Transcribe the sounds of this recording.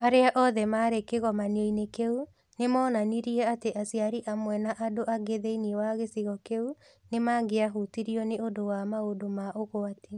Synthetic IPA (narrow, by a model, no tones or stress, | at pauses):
aɾeaʔɔðɛmaɾekeɣɔmaneinekeu | nemɔːnaniɾiɛateʔasiaɾiʔamwɛnaʔadoʔaɡeðeiniewaɣesiɣɔkeu | nemaŋɡeaɦutiɾiɔneodowamaodomaʔoɣoati